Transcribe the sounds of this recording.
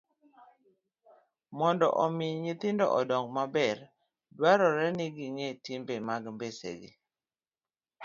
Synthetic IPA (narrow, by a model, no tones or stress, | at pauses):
mɔndɔ̰ʔɔmɪɲɪt̪ɪndɔ̰ʔɔdɔŋɡmabɛɾ | dwaɾɔɾɛnɪɡiŋetimbemaɡmbesḛɡḭ